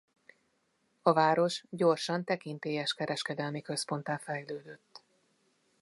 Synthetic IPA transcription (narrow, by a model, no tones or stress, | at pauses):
ɒvaːɾo̞ʃɟo̞rʃɒnt̪ɛkint̪eːjɛʃkɛɾɛʃkɛd̪ɛlmikø̞spo̞nt̪aːfɛjløːd̪øt̪ː